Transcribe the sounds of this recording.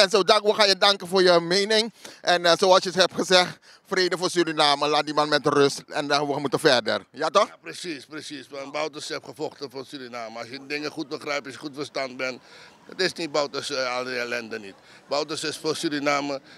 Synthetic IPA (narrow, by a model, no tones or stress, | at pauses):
ɛnsoːdarkʋoxajədɑŋkəfʊːrjəmejnɪŋʔɛnsoɑlsjəɦɛpχəsɛχt | freːdəfʊːsyɾinaːməlaːt̚dimanmɛtərøstɛndaʋomutəfɛrdə̰rjatɔχprəsisprəsisʋanbawtəsɛpχəfɔχtəfosyɾinaːməɑsjədədɪŋəχut̚bəχrɛjpɑsjəχutfərstant̚bɛn | dɔtɪsnit̚bawtəsaldəɛlɛndənit | bawtəsɪsfosyɾinaːmə